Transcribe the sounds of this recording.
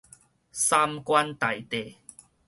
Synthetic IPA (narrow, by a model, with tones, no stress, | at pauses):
sa˧˥mkwa˦nt̪a˨˩jt̪e˨˩